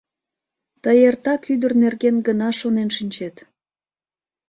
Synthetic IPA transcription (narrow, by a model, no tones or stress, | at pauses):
t̪əjert̪ɑkyd̪ərnerɣenɡənɑʃonenʃinʲt͡ɕet̪